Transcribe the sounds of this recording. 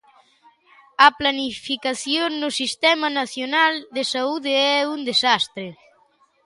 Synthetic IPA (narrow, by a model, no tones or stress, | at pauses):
aplanifikaθjonnusist̪ɛmanaθjonald̪esauðeɛund̪esast̪ɾe